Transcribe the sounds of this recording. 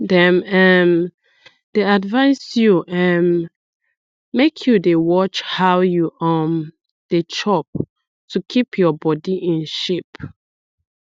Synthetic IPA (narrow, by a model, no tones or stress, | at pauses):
dɛ̃mɛn | d̥eadvãɪsjuʔɛ̃n | mekʰjudewɔt͡ʃhawjuʔɔm | d̥et͡ʃɔp̚ | tʰukʰipʰjɔbɔdiʔĩnʃip